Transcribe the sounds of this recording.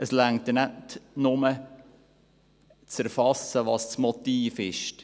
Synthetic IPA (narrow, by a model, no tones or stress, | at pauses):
ʔəslæŋtənætnʊmə | t͡sæɾfɑsəʋɑːssmɔt̪iːfɪʃt